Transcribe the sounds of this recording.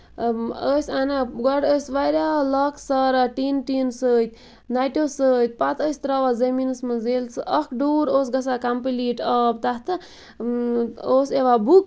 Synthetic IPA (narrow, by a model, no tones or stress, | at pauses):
əsʲanaɡɐɽəːsʋaɾʲalɐksɐɾaʈinʈinsəːjt̪ʲʰ | najʈosəːt̪̚ʲpat̪ʰəːsʲt̪ɾaʋazeminɨsmɨzelt͡sʰɨʔəkʰɖuːɾoːs̬ɡɐsakampiliʈəːb̚t̪at̪ʰɨ | oːseʋabuk